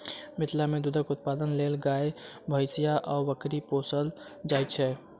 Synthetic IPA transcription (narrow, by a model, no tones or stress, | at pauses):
mɪt̪ʰlamẽd̪ʊd̪ʱəkʊt̪̚paːd̪ənleːlɡaːe | bʱəɪsijaʔɔːɾʋəkɾipoːsəl | d͡ʒaːjt͡ʃʰɛ